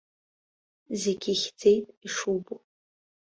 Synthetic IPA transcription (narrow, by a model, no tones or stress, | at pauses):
zeɡʲixʲd͡ze̞jtʼiʂubu